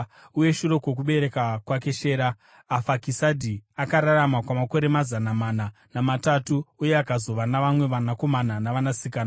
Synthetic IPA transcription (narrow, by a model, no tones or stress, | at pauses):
uje̞ʃuɾo̞kwo̞k̬uɓe̞ɾe̞kakwake̞ʃe̞ːɾaː | fakisadʱiakaɾaɾamakwamako̞ɾe̞mazanamananamatatuuje̞akazo̞ʋanaʋamwe̞ʋanako̞mananaʋanasikaːna